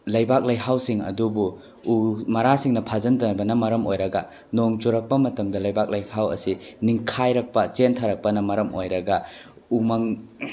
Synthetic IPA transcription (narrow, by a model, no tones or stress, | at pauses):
lɐjbak̚lɐjɦawsiŋɐ̰dubu | umɐɾasiŋnɐpʰazɐndɐnbɐnɐmɐɾɐmojɾɐɡɐ | noŋd͡ʒuɾɐk̚pɐmɐtɐmdɐlɐjbak̚lɐjhawɐ̰siniŋkʰajɾɐk̚pɐt͡ʃentʰaɾɐk̚pɐnɐmɐɾɐmo̰jɾɐɡɐ | umɐŋ